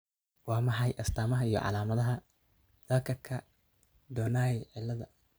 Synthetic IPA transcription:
wɑːmɐħɑjʔɐst̪ʰaːmɐɦɐijɔ̰ʕɑ̰laːmɐðɐɦɐ | d̪ɐkʰɐrkʰɐ | d̪ɔːnaːjɛʕɪlːɐðɐ

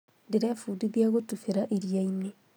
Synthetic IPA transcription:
deɾɛfudiðiaɣotufeɾaʔiɾijaine

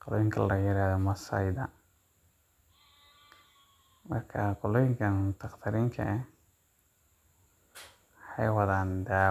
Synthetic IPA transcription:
qɔlɔjɪŋkʰɐlɐjɪɾaːðɔmɐsɐ̰jd̪ɐ̰ | mɐrkʰɐqɔlɔːjɪŋkʰɐnʊt̪ʰɑqt̪ʰɐɾɪŋkʰɐ̰ɛ | ħɑjwɑðaːnd̪aː

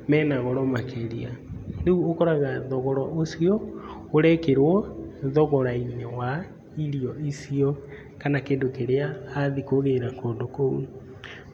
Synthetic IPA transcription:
mɛːnaɣɔɾɔmakeɾianeuokɔɾaɣaðɔɣɔɾɔʔosiɔ | oɾɛkeɾwɔðɔɣɔɾainewa | iɾiɔisiɔ | kanakeːndokeɾeaaðikoɣeɾakoːndokou

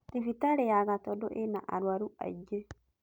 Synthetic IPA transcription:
t̪ifit̪aɾejaɡat̪ɔdɔʔenaʔa̰ɾwaɾua̰d͡ʒe

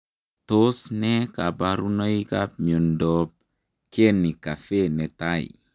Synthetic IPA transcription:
tosnɛkabaɾunəikap̚miondɔp̚ | kenːikafenɛtaḭ

